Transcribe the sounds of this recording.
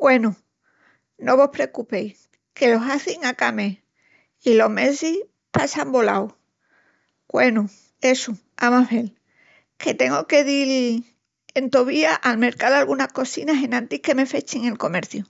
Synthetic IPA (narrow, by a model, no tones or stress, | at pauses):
kwe̞nu | no̞βo̞hpɾe̞kupe̞j | ke̞lo̞saθiŋakame | ilo̞ɦme̞si | pasambo̞la̰w | kwe̞nu | e̞su | amafe̞l | ke̞t̪e̞ŋɡoke̞ðil | e̞nt̪oβiaʔalme̞ɾkalalɣunahko̞sinaɦe̞nãnt̪ihke̞me̞fe̞t͡ʃiŋe̞lko̞me̞ɾθju